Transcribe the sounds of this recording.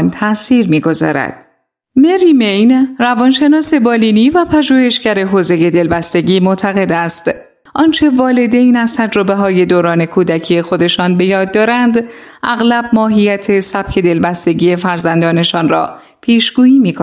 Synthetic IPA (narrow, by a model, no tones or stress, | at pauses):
nt̪ʰæsiːɾmiːɡo̞zɒ̰ːɾæ̰d̪̥̚ | meɾiːmejnrævɒnʃe̞nɒːse̞bɒːliːniːvæpʰæʒuːhe̞ʃɡæɾe̞ɦoːze̞je̞d̪e̞lbæst̪e̞ɟiːmot̪ʰæɣe̞d̪æst̪ | ʔɒnt͡ʃʰe̞vɒːle̞d̪e̞jnæz̥t̪ʰæd͡ʒɾo̞be̞ɦɒːje̞d̪oːɾɒːne̞kʰuːd̪æcʰije̞xo̞d̪e̞ʃɒːnbe̞jɒːd̪ːɒːɾænd̪ʔæɣlæb̚mɒːɦijæt̪ʰe̞sæb̥cʰe̞d̪e̞lbæst̪e̞ɟʲiːe̞fæɾzænd̪ɒːne̞ʃɒːnrɒ̰ː | pʰiːʃɡ̥uːiːmiːkʰo